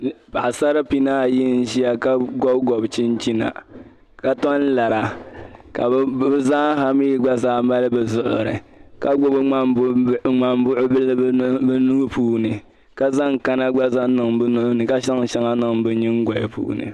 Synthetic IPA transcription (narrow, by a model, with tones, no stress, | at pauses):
pa˨ʔsa˦ɾa˦pi˦naː˦˨ji˦n̩˦ʒi˦a˦ka˦ɡɔ˦bɡɔ˨bt͡ʃi˦nt͡ʃi˦na̰˨ | ka˦tɔ˦n˦la˨ɾa˨ka̰˨˦bza˦ɦa˦mi˦ɡ͡ba˦zaː˦ma˦lɨ˦bɨ˨zʊ˦ʔʊ̰˨ɾɨ̰˨ka˦ɡʊ˦bɨ˦a˦ŋ͡ma˨m˦bʊ˦ʔʊ˦bɨ˦lbɨ˦nu˦ɡpuː˦nɨ˨ | ka˦za˦ŋ˨ka˦na˦ɡ͡ba˦za˦nɨ˨ŋbɨ˦nʊ˦ʔʊ˦nɨ˨ka˦ʃa˦ŋʃa˦ŋa˦nɨ˨ŋbɨ˨ɲi˦ŋ˦ɡɔ˨jɪ˨pṵː˦nɨ̰˨